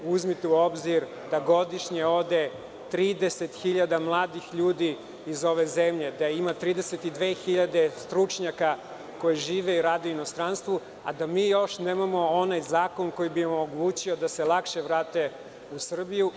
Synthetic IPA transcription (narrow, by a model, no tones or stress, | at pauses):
uzmit̪euo̞bziɾ | d̪aɡo̞d̪iʃɲeo̞d̪e̞ | t̪ɾiːd̪ese̞t̪xiʎad̪amlˠaːd̪ixʎuːd̪iː | zo̞ʋe̞zemʎe̞d̪aimat̪ɾiːd̪eset̪id̪ʋeːxiʎad̪e̞st̪ɾut͡ʃɲaka | ko̞jeʒiːʋe̞iɾaːd̪euino̞st̪ɾanst̪ʋu | a̰d̪amiːjo̞ʃneːmamo̞onajzaːko̞nko̞jibiemoɡlˠuːt͡ɕiod̪ase̞lˠakʃeʋɾaːt̪e̞ | usr̩biju